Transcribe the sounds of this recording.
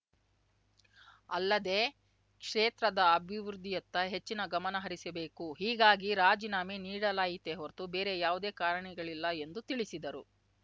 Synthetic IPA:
ɐlːɐd̪e̞ː | kʂeːt̪ɾɐd̪ɐɐbʱiʋɾud̪ʱːijɐt̪ːɐɦe̞t͡ʃːinɐɡɐmɐnɐɦɐɾisɐbe̞ːkuɦiːɡaːɡiɾaːd͡ʒinaːminiːɽɐlaːjit̪ːeɦoɾt̪ube̞ːɾe̞jaːʋud̪e̞ːkaːɾɐɳɛɡɐɭilːɐe̞nd̪ut̪iɭisid̪ɐɾu

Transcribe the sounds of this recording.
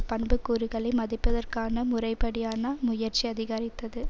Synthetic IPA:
pɐɳbɯkːuːɾɯɣɐɭɐmɐðɪpːɐðɐrkaːnɐmʊrɐɪpːɐɽɪjaːnɐmʊjɐɾt͡ʃiɐðɪɣaɾɪt̪ːɐðɯ

